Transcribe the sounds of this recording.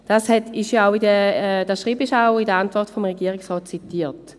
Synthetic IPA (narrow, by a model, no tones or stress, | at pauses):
d̥ashɛtiʃjoaʊidəd̥asʃʁiːbiʃaʊidəantv̥ɔʁtfomʁeɡiəʁɪksʁɔːt̚t͡sitiːɐt